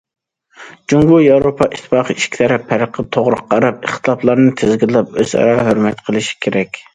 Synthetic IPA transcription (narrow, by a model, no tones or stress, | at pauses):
d͡ʒuŋɡujɑwɾopʰɑʔiʃt̪ʰːɨ̥pɑqʰəiʃkʲt̪ʰɛɾɛpʰːɛɾəqʰːət̪ʰoʁɾʊq̚ːɑɾɑpeχt̪ʰɨlˠɑplˠɑɾnɨt̪ʰɪzɡʲillːɛp̚øz̥ɑ̰ɾɑɦøɾmɛt̪qʰəlˠɪʃi̥kʲʰeɾɛkʲ